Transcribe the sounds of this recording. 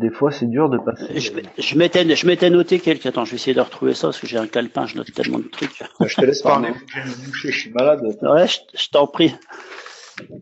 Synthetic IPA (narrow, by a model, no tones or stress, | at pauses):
d̪efwasɛd̪yʁd̪əpaseʒəmɛʒəmɛt̪ɛnʒəmɛt̪ɛnɔt̪ekʲɛlkʲat̪ɑ̃ʒəvɛesɛjed̪əʁət̪χuvḛsapaskəʒeɛ̃kalpɛ̰̃ʒənɔ̰t̪ːɛ̰lmɑ̰̃d̪ət̪χykʲʒət̪əlɛspaʁleueməbuʃeʃɥimalad̪wɛʒəʒ̥ə̥t̪ɑ̃pχi